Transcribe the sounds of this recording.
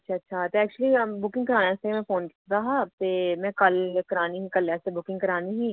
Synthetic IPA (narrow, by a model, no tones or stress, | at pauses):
ətːʃʰaːətːʃʰaːt̪eːɛːk̚t͡ʃuəliːbʊkɪ̃ŋɡkəɾaːnãːɪseemɛ̃ːfʰoːnkɪkʰd̪aːɦaːt̪eːmɛ̃ːkəlkəɾaːniːɦiːkəlɛːsebʊkɪ̃ŋɡkəɾaːniːɦiː